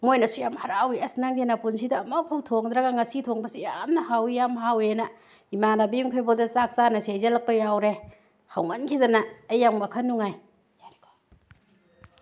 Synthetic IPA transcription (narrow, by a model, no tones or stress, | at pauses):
mojnɐsujamhɐɾawiɐsnɐŋdenɐpuns̬idɐːmɐpʰuwtʰoŋd̪ɾɐɡaŋɐsitʰoŋbɐsijamnɐhawijamɦawenɐ | imanabijumkʰajbɐdɐsak̚sanɐsejzɐlɐk̚pɐjawɾe | hawŋɐnkʰidɐnɐːjːaŋbɐkʰɐnːuŋaj | ɾiko̥